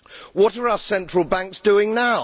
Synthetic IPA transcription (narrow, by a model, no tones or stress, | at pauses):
wɒtəɹaʊəsɛ̃nt͡ʃɹ̥əlˠbãŋksd̥ʉɪ̃ŋnaʊ